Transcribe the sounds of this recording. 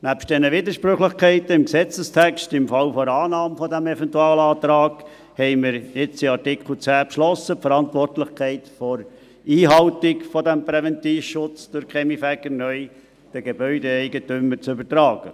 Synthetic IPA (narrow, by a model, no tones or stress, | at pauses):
næpʃt̚d̥̪ɛnəʋɪd̪əɾʃpɾøχlɪχkʰɛɪt̪əɪmksɛt͡səstʰækʃtɪmfɑlfɔɾɑːnɑːmfɔdæmɛfɛntuɑːləɑːt̪ɾɑːɡ̥ | hɛɪmɪɾjɪt͡siɑɾtɪkʰl̩t͡sæːpʃlɔsəpfəɾɑntʋɔrtlɪχkʰɛɪtfɔɾ | iːɦɑltɪkfɔdæmpɾɛvɛnt̪iːfʃʊt͡sd̥ʊɾkχɛmifækənœʏ | d̥əɡ̥ebœʏdeɛɪɡətʏmːəɾt͡sʏbətɾɑːɡ̥ə